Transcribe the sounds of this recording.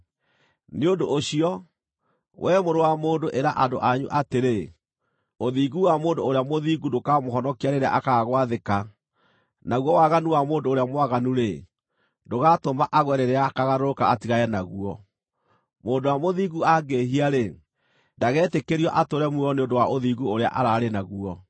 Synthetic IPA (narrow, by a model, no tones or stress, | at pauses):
neondoʔoɕiɔ | wʔɛmoɾowamoːndoʔeɾaʔandoʔaɲṵʔateɾe | oðiɣuwamoːndoːɾeamoðiːɡudokamoɦɔnɔkiaɾeɾea̰ʔakaɣaɣwaðeka | naɣwɔwaɣanuwamoːndoːɾeamwaɣanuɾe | ndoɣatomaʔaɣwɛɾeɾeaːkaɣaɾoɾokaatiɣaɛnaɣuɔ | moːndowamoðiːɣuaɡeɦiaɾe | ndaɣɛːtekeɾiɔʔatoɾɛmuɔneondowaʔoðiːɣuoɾea̰ʔa̰ɾaɾenaɣuɔ